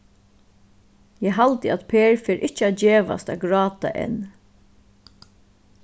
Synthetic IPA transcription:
jɛːɦalt̪əat̪pʰeːɹfɛːɾʔɪht͡ʃəad͡ʒeːʋa̰st̪aɡɹɑːt̪a̰ʔɛ̰n

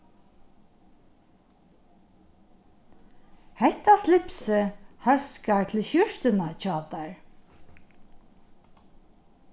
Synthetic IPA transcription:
hɛht̪ːaslɪpsɪhœskaɹt̪ʰɪlʃjʏʃt̪ɪnat͡ʃɑːt̪aɹ

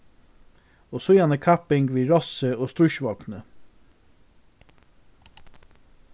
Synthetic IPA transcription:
oːsʊjanəkʰapɪŋkʋiːɾɔsəoːst̪ɾʊʃʋɔlknə

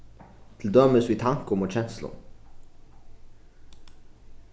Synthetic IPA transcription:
t̪ʰɪl̩d̪œməsʋiːt̪ʰɑŋkɔmɔçɛnslʊ̰n

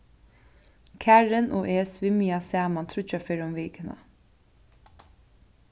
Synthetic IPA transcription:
kʰæɹɪnʔɔːʔeːsʋɪmijasæːmant̪ʰɾʊt͡ʃːafeːɾʊmʋɛːkəna̰

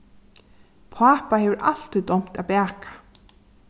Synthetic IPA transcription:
pʰaːpahɛvəɾʔa̰l̥t̪ɪt̪ɔm̥t̪apæːkḁ

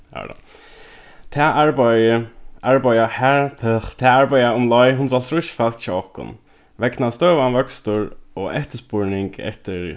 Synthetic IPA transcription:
a̰ | t̪ʰɛʔaɹbaəʔaɹbajahæɹpʰɛxt̪ʰɛːaɹbajaʊmlɔjɦʊns̬alt̪ʰɾʊʃfat͡ʃʰaɔhkʊ̰n | ʋɛknast̪œːʋanʋœkst̪ʊɹɔɛht̪əspʊɹnɪŋkɛ̰ht̪ɪɹ

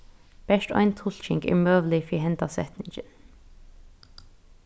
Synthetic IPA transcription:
b̥ɛʃt̪ɔ̰ɪnt̪ʰʊl̥t͡ʃɪŋkɪ̰møːʋl̩ɪfiːɦɛnt̪asɛ̰t̪nɪŋt͡ʃən

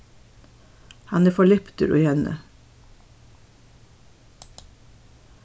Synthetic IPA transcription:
hɑneːfɔɭɛpt̪ə̰ɾʉ̰hɛnə̰

